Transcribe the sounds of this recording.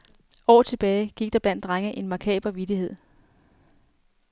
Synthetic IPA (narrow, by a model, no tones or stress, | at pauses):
ɒ̰ːt͡sʰe̝b̥ɛːɪɡ̥iɡ̥̚d̥ɑ̈b̥læn̰d̥ʁaŋəʔe̝nmɑ̈kʰɛ̰ːb̥lɐʋid̥ihe̝ð̞̰ˠ